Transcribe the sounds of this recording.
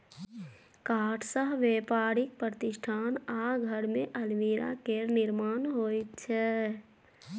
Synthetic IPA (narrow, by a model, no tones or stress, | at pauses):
kaːʈʰsəɦʋeːpaːɾɪk̚pɾət̪ɪʃʈʰaːnaɡʱəɾmẽʔəlʋiɾa̰keɾnɪɾmaːnɦoːjt̪t͡ʃʰɛː